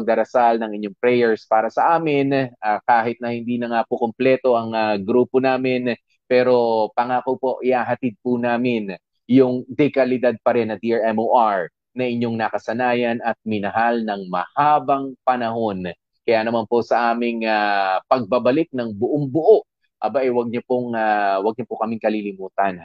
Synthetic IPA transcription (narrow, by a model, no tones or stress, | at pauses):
ɐɡ̚d̪ɐɾɐsalnɐŋɪɲːoŋpɾɛjɛɹspaːɾɐsɐʔaːmɪnʔaːkaːɦɪt̪̚nɐhɪnd̪inɐŋapokomplɛt̪o̞ʔɐŋaɡɾuːponaːmɪn | pɛːɾo̞pɐŋaːkopo̞ʔɪʔaːɦɐt̪id̪̚pʊnaːmɪn | jʊŋd̪ɛkɐlɪd̪ad̪̚pɐɾɛnːɐd̪iʔaɹɛmoʔaɹ | nɐʔɪɲːo̞ŋnɐkɐsɐnaːjɐnɐt̪̚mɪnɐɦalnɐŋmɐhaːbɐŋpɐnɐɦo̞n | kɐjaːnɐmanpo̞sɐʔaːmɪŋapɐɡ̚bɐbɐlɪk̚nɐŋbʊʔoŋbʊʔoʔ | ʔɐ̰baʔɐjwɐɡ̚ɲopoŋawɐɡ̚ɲɐpokɐmɪŋkɐlilɪmuːt̪ɐn